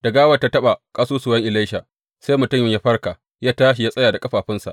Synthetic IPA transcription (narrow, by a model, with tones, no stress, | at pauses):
d̥ɐ˨ɡaː˦wɐ˨tːa˦tɐ˦ɓa˨kʼaː˦suː˦suː˨jɐ˦ŋʔɪ˨la˦ʃa˨ | seː˦jmʊ˨tʊ˦˨mjmja˦ɸɐ˦rka˨ | jaː˦taː˦ʃ̬i˨ja˦sʼɐ˦jaː˨da˨kʼɐ˦ɸaː˨ɸɪ˦nsa̰˨ʔ